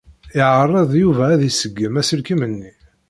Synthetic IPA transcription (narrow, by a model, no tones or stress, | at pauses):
ɪʕərˤːɑðˤjuvæːðisəɡːəmæsəlkimənːi